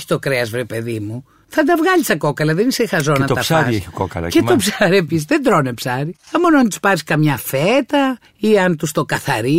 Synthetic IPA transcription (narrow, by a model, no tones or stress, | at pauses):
çi̥t̪o̞kɾeɐzvɾe̞pe̞ðimu | θɐd̪ɐvɣɐʎist̪ɐko̞kɐlɐðenisexɐzo̞nɐt̪oɐsaɾiseçokokɐ̰lɐ̰ceopsɐɾiepisizðend̪ɾo̞nepsɐɾiɐmo̞noɐnt̪u̥spɐɾiskɐmɲɐfet̪ɐ | iɐnt̪ust̪o̞kɐθɐɾi